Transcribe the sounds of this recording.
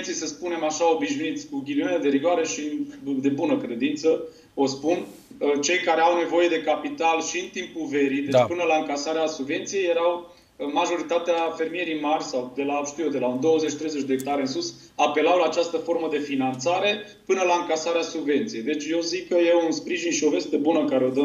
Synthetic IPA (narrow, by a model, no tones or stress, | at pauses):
t̪sijsəspune̞maʃao̞biʃnuit̪sʲkuɡʲilioneed̪e̞ɾiɡoaɾe̞ʃind̪e̞bunəkɾe̞d̪int̪sə | o̞spun | t͡ʃe̞jkaɾe̞awne̞vo̞je̞d̪e̞kapit̪alʃiɨnt̪impuve̞ɾid̪e̞t͡ʃpɨnəlaɨŋkasaɾeasubve̞nt̪sije̞je̞ɾaw | maʒo̞ɾit̪at̪eafe̞rmije̞ɾijmarʲsawd̪elaʃt̪ijed̪e̞laund̪o̞wəzet͡ʃt̪ɾejzet͡ʃʲd̪eːk̚t̪aɾeɨnsus | ape̞lawlaːt͡ʃast̪əfo̞rməd̪e̞finant̪saɾe̞ | pɨnəlaɨŋkasaɾeasubve̞nt̪sijejd̪e̞t͡ʃʲje̞wzikːəjeunspɾiʒinʃio̞ve̞st̪e̞bunəɨkaɾeo̞d̪ə